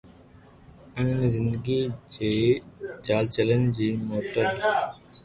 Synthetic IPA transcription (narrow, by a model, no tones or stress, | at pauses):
ənnzɪ̃nd̪ɡid͡ʒeːt͡ʃaːlt͡ʃələnd͡ʑiːmoːʈəɾ